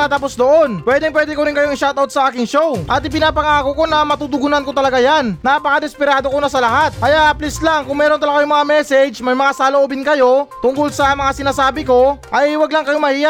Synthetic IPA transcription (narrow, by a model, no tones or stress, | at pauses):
at̪aːp̬osd̪oʔo̞npwɛːd̪ɪŋpwɛːd̪ɛkoɾɪnŋkɐjoɐŋʃawt̪awt̪sɐʔaːkɪŋʃo̞wʔɐt̪ɪp̬ɪnaːpɐŋaːko̞ko̞nɐmɐt̪uːt̪ʊɡʊnɐnkot̪ɐlɐɡajannaːpɐkad̪ɛspɪɾaːd̪o̞ko̞nɐsɐlɐhat̪̚kɐjaʔɐplɪslaŋkʊŋmɛːɾont̪ɐlaɡkɐjoŋmɐŋamɛsɛd͡ʒmɐjmɐŋasaloʔobɪnkɐjo̞t̪ʊŋkʊlsɐmɐŋasɪnaːsaːbɪko̞ʔɐjwɐɡlɐŋkɐjo̞mɐhiːja